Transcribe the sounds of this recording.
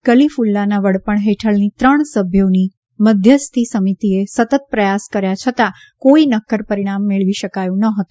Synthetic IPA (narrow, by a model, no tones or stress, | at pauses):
kəlifulːanaʋəɽpəɳɦeʈʰəɭnit̪ɾəɳsəbʱjoni | məd̪ʱjəst̪ʰisəmit̪iesət̪ət̪̚pɾəjaskəɾjat͡ʃʰət̪a | koinəkːəɾpəɾiɽ̃amːeɭʋiʃəkajũnəɦət̪ũ